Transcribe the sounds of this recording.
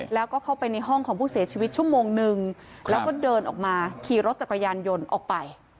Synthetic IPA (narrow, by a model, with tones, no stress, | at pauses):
lɛː˦˥wkɔː˥˩kʰa˥˩wpa˧jna˧jɦɔ˥˩ŋkʰɔː˩˦pʰuː˥˩si˩˦t͡ɕʰiː˧wi˦˥t̪̚t͡ɕʰu˥˩əmoː˧ŋnɯ˨˩ŋ | lɛː˦˥wkɔː˥˩dɤː˧nʔɔ̰ː˨˩k̚maː˧kʰiː˨˩ɾo˦˥t̪̚t͡ɕa˨˩ka˧jaː˧njo˧nʔɔː˨˩k̚pa˧j